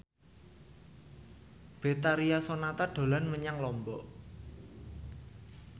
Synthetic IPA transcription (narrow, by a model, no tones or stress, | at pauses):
b̥e̤t̪aɾiasonat̪aɖ̥o̤lanməɲaŋlɔmbɔʔ